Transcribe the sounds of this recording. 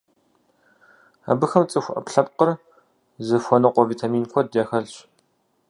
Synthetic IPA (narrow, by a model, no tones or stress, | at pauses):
a̰bɨxɐmt͡sʼɨxʷʊʔɐ̰pɬɐp̚qər | zɨfʷɔnɨqʷɔviːtʰamiːnkʷʰɔdaːxɐɮɕ